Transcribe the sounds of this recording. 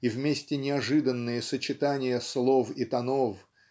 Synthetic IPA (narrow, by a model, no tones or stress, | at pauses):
ivmʲesʲtʲɪnʲɪɐʐɨd̪ənːɨjəsət͡ɕɪt̪anʲɪjəslˠofɪt̪ɐnof